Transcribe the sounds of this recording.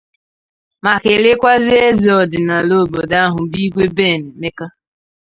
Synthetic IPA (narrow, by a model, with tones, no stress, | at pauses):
ma˨kɪ˨lɪ˦kʷa˦zɪ˦e˦zɪ˨ɔ˨dɪ˨na˨lo˦˨bo˨da˦ɦʊ˨bi˦ɡʷe˦be˦˨ne˨me˦ka˦